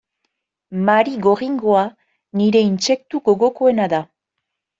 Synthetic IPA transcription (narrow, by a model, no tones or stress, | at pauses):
maɾiɣo̞riŋɡo̞a | niɾe̞inse̞k̚t̪uɡo̞ɣo̞ko̞e̞naða